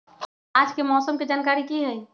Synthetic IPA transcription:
aːd͡ʒkemɔːsəmkid͡ʒaːnkaːɾikiɦɛː

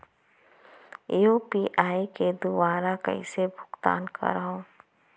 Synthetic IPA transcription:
joːpiːʔaːiked̪ubaːɾakɐ̰ḭsebʱʊ̥ɡt̪a̰ːnkʰa̰ɾɐɦõː

